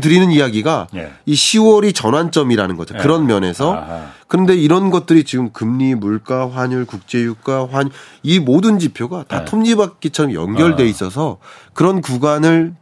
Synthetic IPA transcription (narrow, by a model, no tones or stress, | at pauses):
t̬ɯɾinɯnijaɡiɡaiɕʰiwʌɾit͡ɕʌnant͡ɕ͈ʌmiɾanɯnɡʌt͡ɕʰokɯɾʌnmjʌne̞sʰʌkɯɾʌnde̞iɾʌnɡʌt̚t͈ɯɾit͡ɕiɡɯmkɯmɲimuɭk͈aɸwaɲuɭkuk̚t͡ɕ͈e̞juk͈aɸwaɲimodɯnd͡ʑipʰjoɡatatʰomɲibak̚k͈et͡ɕʰʌɾʌmjʌ̰ŋɡjʌɭde̞is͈ʌs̬ʰʌkɯɾʌnkuɡanɯɭ